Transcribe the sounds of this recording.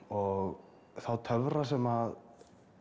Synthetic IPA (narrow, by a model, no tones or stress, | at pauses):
ɔɣ | θawt̪ʰœvɾasɛmað